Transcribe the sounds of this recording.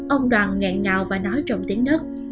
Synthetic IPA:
ʔə˧wŋ͡mɗwaː˨˩nŋɛ̰˧˨ŋŋaː˨˩wvaː˨˩nɔ˨˦jt͡ɕɔ˨˩wŋ͡mt̪i˨˦əŋnə˦˥t̚

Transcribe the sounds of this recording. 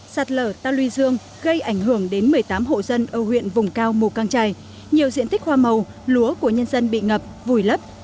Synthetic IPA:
saː˨˩t̚ləː˧˩t̪aː˧lwi˧zɨ˧əŋ | ɣə˧jʔa˧˩jŋ̟ɦɨ˧˩əŋɗe˨˦nmɨ˨˩əjt̪aː˨˦mɦo̰˧˨zə˧nʔəː˧˩hwḭ˧˨ənvʊ˨˩ŋ͡mkaː˧wmu˨˩kaː˧ŋt͡ɕaː˧j | ɲi˨˩əwzḭ˧ənt̪ï˦˥k̚hwaː˧mə˨˩w | lu˨˦əku˧˩əɲə˧nzə˧nɓḭ˧˨ŋə˨˩p̚vu˨˩jlə˦˥p̚

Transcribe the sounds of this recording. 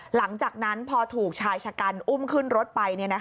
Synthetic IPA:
la˩˦ŋt͡ɕaː˨˩k̚na˦˥npʰɔː˧t̪ʰuː˨˩k̚t͡ɕʰaː˧jt͡ɕʰa˧ka˧nʔu˥˩mkʰɯ˥˩nɾo˦˥t̪̚pa˧jni˥˩ɐna˦˥k

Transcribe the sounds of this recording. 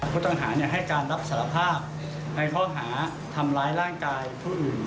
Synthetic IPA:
pʰuː˥˩t̪ɔ˥˩ŋɦaː˩˦ni˥˩ɦa˥˩jkaː˧nɾa˦˥p̚saː˩˦ɾa˧pʰaː˥˩p̚ | na˧jkʰɔː˥˩ɦaː˩˦ | t̪ʰa˧mɾaː˦˥jɾaː˥˩ŋkaː˧jpʰuː˥˩ʔɯː˨˩n

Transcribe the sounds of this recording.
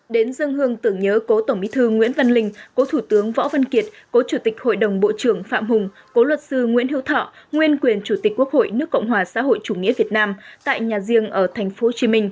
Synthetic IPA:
ɗe˨˦nzɨ˧əŋɨ˧əŋt̪ɨ˧˩əŋɲəː˨˦ko˨˦t̪ə˧˩ŋ͡mmḭ˧˥t̪ʰɨ˧ŋwḭ˧˥ənva˧nlï˧ŋ̟ko˨˦t̪ʰu˧˩t̪ɨ˨˦əŋvɔ̰˧˥va˧nki˨˩ət̚ | ko˨˦t͡ɕu˧˩t̪ï˨˩k̟̚ho̰˧˨jɗə˨˩wŋ͡mɓo̰˧˨t͡ɕɨ˧˩əŋfa̰ː˧˨mhʊ˨˩ŋ͡m | ko˨˦lwə˨˩t̚sɨ˧ŋwḭ˧˥ənhɦḭ˧˥wt̪ʰɔ̰˧˨ | ŋwi˧ənkwi˨˩ənt͡ɕu˧˩t̪i˨˩k̟̚kwək̚ho̰˧˨jnɨ˦˥əkə̰˧˨wŋ͡mɦwaː˨˩sa̰ː˧˥ɦo̰˧˨jt͡ɕu˧˩ŋḭ˧˥əvi˨˩ət̚naː˧mt̪a̰ː˧˨jɲaː˨˩zi˧əŋʔəː˧˩t̪ʰɛ˨˩jŋ̟fo˨˦t͡ɕi˨˦mï˧ŋ̟

